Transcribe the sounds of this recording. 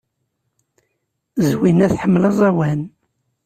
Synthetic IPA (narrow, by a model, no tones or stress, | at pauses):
zwinæθħəmːlɑzˤæwæn